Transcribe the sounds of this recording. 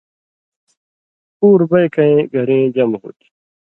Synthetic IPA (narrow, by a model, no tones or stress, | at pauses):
puːɾbɐjkɐẽɡʱɐɾẽːd͡ʑɐmɦṵːt̪i̥